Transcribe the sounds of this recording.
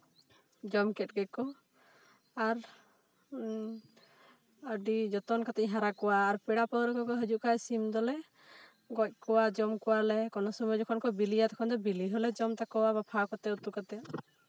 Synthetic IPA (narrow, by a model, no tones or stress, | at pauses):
d͡ʒɔmkɛt̚ɡɛkɔ | aɾ | əɖid͡ʒɔt̪ɔnkat̪ɛʔɦaɾakɔwaːɾpɛɽapɔwɾɔkɔkɔɦəd͡ʒuʔkasimd̪ɔlɛ | ɡɔc̚ˀkɔwad͡ʒɔmkɔwalɛkɔnɔsɔmɔd͡ʒɔkʰɔnkɔbilijat̪ɛ̥kʰɔnd̪ɔbiliɦɔlɛd͡ʒɔmt̪akɔwabapʰakɔt̪ɛut̪ukat̪ɛ